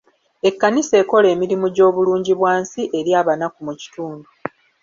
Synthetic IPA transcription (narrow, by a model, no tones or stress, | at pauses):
e̞kːaniseːko̞le̞ːmiɾimuɟo̞ːβuluːɲɟiβwaːnsiʔe̞ɾjaːβanakumuci̥tuːndu